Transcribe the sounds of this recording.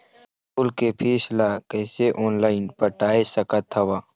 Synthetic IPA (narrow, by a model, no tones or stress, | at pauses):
pʊlkepʰiːslakɛːseʔɔːnlaːɪnpəʈaːesɐkət̪ʰːɐwaː